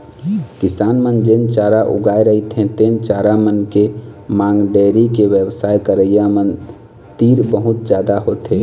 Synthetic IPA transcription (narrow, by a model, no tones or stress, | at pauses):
kɪsaːnmənd͡ʒent͡ʃaɾaʔṵɡaeɾəit̪ʰẽt̪eːnt͡ʃaɾamənkemaŋɡɖeɾikeʋjəwsaːjkəɾəjamən | t̪iːɾbəɦut̪d͡ʒaːd̪aɦot̪ɦe